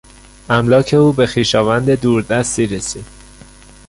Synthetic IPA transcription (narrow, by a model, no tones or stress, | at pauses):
æmlɒːcʰe̞uːbe̞xiːʃɒːvænd̪e̞d̪uːɾd̪æst̪iːɾesiːd̪̥